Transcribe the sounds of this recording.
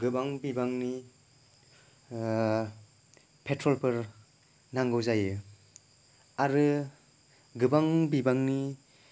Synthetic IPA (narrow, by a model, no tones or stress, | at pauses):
ɡɯbaŋbibaŋni | pʰetʰɾɔlpɯɾ | naŋɡɯwzajɯ | aɾɯ | ɡɯbaŋbibaŋni